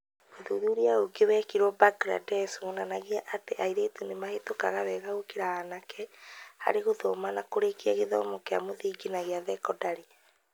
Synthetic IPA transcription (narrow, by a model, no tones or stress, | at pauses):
ɣoðuðuɾiaoɡewɛkiɾwɔbaɡɾa̰dɛsuɣonanaɣiaʔateʔaiɾetunemahetokaɣaβɛɣaokeɾahanakɛha̰ɾeɣoðɔmanakoɾekiaɣeðɔ̰ːmɔkea̰moðiːɡinaɣeaðɛkɔdaɾe